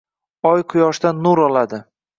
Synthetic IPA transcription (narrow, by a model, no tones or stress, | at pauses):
ɒjqʰʊjɒʃd̪anːuɾɒlad̪ɪ